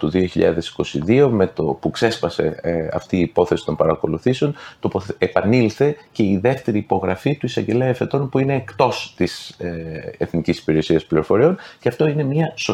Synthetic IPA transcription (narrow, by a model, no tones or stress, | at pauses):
t̪uðio̞çiʎɐðe̞si̥ko̞sḭðio̞me̞t̪opukse̞spɐse̞̰ɐ̰ft̪iːpo̞θe̞si̥t̪o̞mpɐɾɐko̞luθiseo̞nt̪opoepɐnilθe̞ce̞iðe̞ft̪e̞ɾiːpo̞ɣɾɐfit̪uisɐɲɟe̞leefe̞t̪o̞npuine̞ːkt̪o̞st̪is | eθnicisi̥piɾe̞siɐspliɾo̞fo̞ɾio̞nceɐft̪o̞ine̞mɲɐso